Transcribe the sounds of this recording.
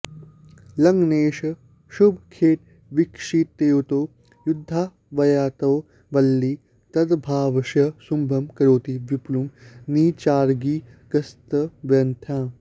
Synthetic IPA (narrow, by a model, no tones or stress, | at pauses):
lɐŋɡneːʃɐ | ʃubʱkʰeːʈ̚ | ʋikʂit̪ːeːwt̪oː | jud̪ʱːaː | ʋɐjaːt̪ɐw | ʋɐlːi | t̪ɐd̪bʱaːʋɐʃɐsumbʱɐmkɐɾoːt̪iʋiplumniːt͡ʃaːɾɡiː | ɡɐst̪ɐʋjɐnt̪ʰjãː